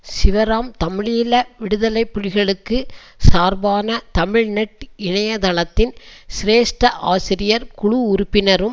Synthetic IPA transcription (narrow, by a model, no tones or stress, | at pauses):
sɪʋɐɾaːmt̪ɐmɪɻiːlɐʋɪɽɯðɐlɐɪpːʊɻɪɣɐɭɯkːɯ | saːɾbaːnɐt̪ɐmɪɻnɛʈɪɳɐjɐt̪ɐɭɐt̪ːɪnsɪɾeːsʈɐʔaːsɪɾɪjɐɾkʊɻʊʊɾʊpːɪnɐɾɯm